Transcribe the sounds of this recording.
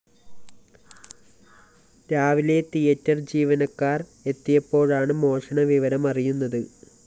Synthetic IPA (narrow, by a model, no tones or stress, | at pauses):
ɾaːʋile̞t̪ijɐtːɐrd͡ʑiːʋɐnɐkːaːre̞t̪ːijɐpːo̞ːɻaːɳɨmo̞ːʂɐɳɐʋiʋɐɾɐmɐrijunːɐðɨ